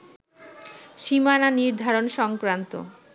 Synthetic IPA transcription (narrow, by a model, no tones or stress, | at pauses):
ʃimananiɾd̪ʱaɾonʃɔŋkɾant̪o̰